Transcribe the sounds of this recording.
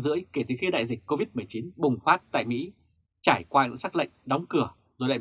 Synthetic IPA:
zɨ̰˧˥əjke˧˩t̪ɨ˨˩xi˧ɗa̰ː˧˨jzi˨˩k̟̚ko˧vi˦˥t̚m˨˩əjt͡ɕi˨˦nɓʊ˨˩ŋ͡mfaː˦˥t̚t̪a̰ː˧˨jmḭ˧˥ | t͡ɕaː˧˩jkwaː˧ɲɨ̰˧˥ŋsa˦˥k̚lə̰˧˨jŋ̟ɗɔ˨˦wŋ͡mkɨ˧˩ə | zo˨˩ɗa̰ː˧˨˩

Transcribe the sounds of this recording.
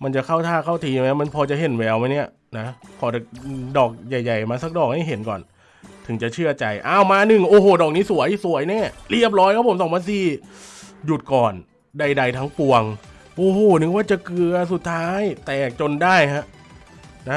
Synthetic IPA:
ma˧nt͡ɕa˨˩kʰa˥˩wt̪ʰaː˥˩kʰa˥˩wt̪ʰiː˧ma˦˥ma˧npʰɔː˧t͡ɕa˨˩ɦe˨˩nwɛː˧wma˦˥ni˥˩ɐ | na˦˥kʰɔː˩˦da˨˩dɔː˨˩k̚ja˨˩jːa˨˩jmaː˧sa˧˥k̚dɔː˨˩k̚ha˥˩jɦe˩˦nkɔ̰ː˨˩n | t̪ʰɯ˨˩˦ŋt͡ɕa˨˩t͡ɕʰɯ˥˩ɐt͡ɕa˧jʔaː˧˥˩wmaː˧nɯ˨˩ŋʔoː˨˩ɦoː˨˩dɔː˨˩k̚niː˦˥su˩˦əjsu˩˦əjnɛː˥˩li˥˩əp̬̚lɔː˦˥jkʰaː˥˩pʰo˨˦msɔː˨˦ŋpʰa˧nsiː˨˩ | ju˨˩t̪̚kɔː˨˩n | da˧jda˧jt̪ʰa˦˥ŋpu˧əŋ | ʔoː˧˩hoː˨˩nɯ˧˦˥waː˥˩t͡ɕa˨˩kɯ˧ɐsu˨˩t̪ʰːaː˦˥jt̪ɛː˨˩k̚t͡ɕo˧ndaː˥˩jɦa˦˥ʔ | na˦˥

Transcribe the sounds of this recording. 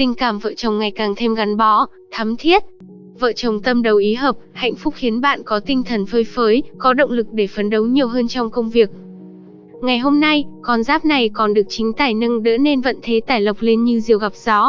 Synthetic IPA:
t̪ï˧ŋ̟kaː˧˩mvə̰ː˧˨t͡ɕə˨˩wŋ͡mŋa˨˩jkaː˨˩ŋt̪ʰe˧mɣa˨˦nɓɔ˨˦ | t̪ʰə˨˦mt̪ʰi˦˥ət̚ | və̰ː˧˨t͡ɕə˨˩wŋ͡mt̪ə˧mɗə˨˩wʔi˨˦ɦəː˨˩p̚ha̰˧˨jŋ̟fʊ˦˥k͡p̚xi˨˦ənɓa̰ː˧˨nkɔ˨˦t̪ï˧ŋ̟t̪ʰə˨˩nfəː˨˦jfəː˨˦jkɔ˨˦ɗə̰˧˨wŋ͡mlɨ˨˩k̚ɗe˧˩fə˨˦nɗə˨˦wɲi˨˩əwɦəː˧nt͡ɕɔ˧wŋ͡mkə˧wŋ͡mvi˨˩ək̚ | ŋa˨˩jɦo˧mna˧jkɔ˨˩nzaː˦˥p̚na˨˩jkɔ˨˩nɗɨ˨˩ək̚t͡ɕï˨˦ŋ̟t̪aː˧˩jnə˧ŋɗə̰˧˥ne˧nvə̰˧˨nt̪ʰe˨˦t̪aː˧˩jlə˨˩wk͡p̚le˧nɲɨ˧zi˨˩əwɣa˨˩p̚z̥ɔ˨˦

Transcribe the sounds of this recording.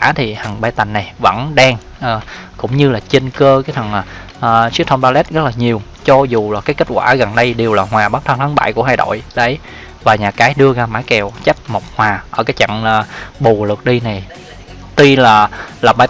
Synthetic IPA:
aː˧˥t̪ʰi˨˩ha˨˩ŋɓaː˧˩jt̪a˨˩ŋ̟ːa˨˩jvə̰˧˥nɗaː˧ŋ | ʔəː˨˩kʊ̰˧˥ŋ͡mɲɨ˧laː˨˩t͡ɕe˧nkəː˧kaː˨˦jt̪ʰə˨˩nː˨˩ | ʔːsi˦˥t̪ʰə˧ŋ͡mɓaː˧lɛ˦˥t̚ɣə˦˥t̚laː˨˩ɲi˨˩əw | t͡ɕɔ˧zu˨˩laː˨˩kaː˨˦jkə˦˥t̚kwaː˧˩ɣə˨˩nɗə˧jɗe˨˩əwlaː˨˩ɦwaː˨˩ɓaː˦˥t̪ʰə˧nt̪ʰa˨˦ŋɓa̰˧˩jku˧˩əɦaː˧jɗo̰˧˨jɗə˨˦j | vaː˨˩ɲaː˨˩kaː˨˦jɗɨ˧əɣaː˧maː˧˦˥jkɛ˨˩wt͡ɕa˦˥p̚mo˨˩k͡p̚hwaː˨˩ʔəː˧˩kaː˨˦jt͡ɕa̰˧˨ŋaː˨˩ɓu˨˩lɨ˨˩k̚ɗi˧na˨˩j | t̪i˧laː˨˩laː˨˩ɓaː˧

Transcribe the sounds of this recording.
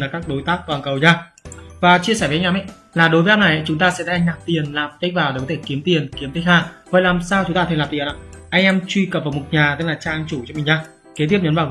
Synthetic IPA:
laː˨˩kaː˦˥k̚ɗo˨˦jt̪aː˦˥k̚kaː˨˩ŋkə˨˩wɲaː˧˩ | vaː˨˩t͡ɕi˧əsɛ˧˩və˨˦˧ŋʔɛː˧mʔɛ̰˧˨ | laː˨˩ɗo˨˦və˨˦ʔa˧na˨˩jʔa̰˧˦t͡ɕʊ˨˦ŋ͡mt̪aː˧sɛ̰˧˥t̪aː˧˨ʔa˧ŋ̟ɗa˨˩p̚t̪i˨˩ənlaː˨˩mt̪a˦˥vaː˨˩we˨˩kɔ˨˦t̪ʰe˧˩ki˨˦əmt̪i˨˩ənki˨˦əmt̪ʰə˨˦xaː˧˩vɔ˨jlaː˨˩msaː˧wt͡ɕʊ˨˦ŋ͡mt̪aː˧t̪ʰə˧˨˩lːaː˨˩t̪i˨˩ənʔa̰ː˧˨ʔa˧jŋʔɛ˧mt͡ɕwi˧kə˨˩p̚vaː˨˩mo˨˩t̚ɲaː˨˩t̪ɨ˦˥laː˨˩t͡ɕaː˧ʔa˧ŋt͡ɕu˧˩t͡ɕɔ˧mi˨˩ɲaː˧ | ke˨˦t̪̬ʰi˦˥əpɲəː˨˦nvaː˨˩

